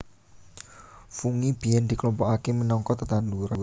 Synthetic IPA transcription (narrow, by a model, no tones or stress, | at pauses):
fuŋib̥ijɛnd̪̥i̤klɔmpɔakemənɔŋkɔt̪ət̪and̪uɾ